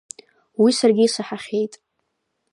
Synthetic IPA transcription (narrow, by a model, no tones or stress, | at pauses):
wisarɡʲɪːsaħaχʲe̞jtʼ